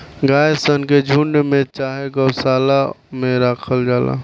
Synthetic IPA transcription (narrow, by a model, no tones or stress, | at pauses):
ɡaːesənked͡ʒʱuɳɖmẽt͡ʃaːɦeɡəwsaːlameɾaːkʰəld͡ʒaːla̰